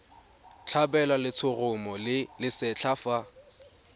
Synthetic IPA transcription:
t͡ɬʰabɛlalɪt͡sʰʊrʊmɔlɪlɪsɛt͡ɬʰafa

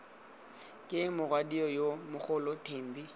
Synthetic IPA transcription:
kʼɪmʊrwadiɔjomʊk͡xʰʊlɔtʰeːm̩bi

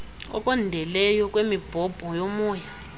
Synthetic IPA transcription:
ɔ̰kʼɔndʱɛlɛjɔkʼwemib̥ʱɔb̥ʱɔjomuːja

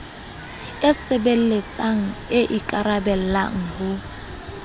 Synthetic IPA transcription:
ɪsebel̩let͡sʼaŋ̩ɪʔikʼaɾabɛl̩la̰ŋ̩hʊ

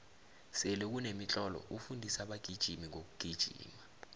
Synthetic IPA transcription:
sɛlɛk̬unemit͡ɬʼɔlɔ̰ʔufundʱisaɓaɡ̥ʱid̥ʒ̥ʱimiŋok̬uɡ̥ʱid̥ʒ̥ʱḭːma

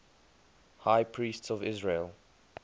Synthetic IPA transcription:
haɪpʰɹiːstsɔvɪzɹelˠ

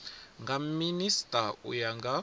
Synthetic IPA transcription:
ŋɡaministaṵjaŋɡa

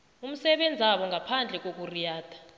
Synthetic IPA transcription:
um̩sɛɓɛnd͡zʱaɓɔŋɡʱapʰand͡ɮʱɛk̬ok̬ʼurijaːd̥ʰʱḁ

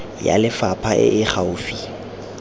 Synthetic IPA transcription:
ja̰lɪfapʰaʔɪ̰ʔɪχaʊːfi

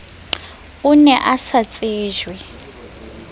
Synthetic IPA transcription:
unɛʔasat͡sʼeːʒwɛ

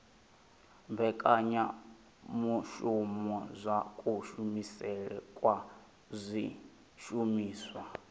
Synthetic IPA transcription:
mbɛkʼaɲa | muʃumɔzʷakʼuʃumisɛɺɛ̰kʼwa | zʷi | ʃumiːswa

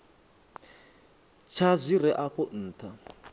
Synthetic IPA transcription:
t͡ʃʰazʷiɾɛʔakʰɔn̩ːtʰa

